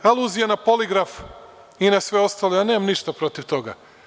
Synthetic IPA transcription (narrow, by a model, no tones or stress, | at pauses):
alˠuːzijanapoliɡɾaf | inasʋeo̞st̪alejaneːmamniʃt̪apɾo̞t̪iʋt̪o̞ɡa̰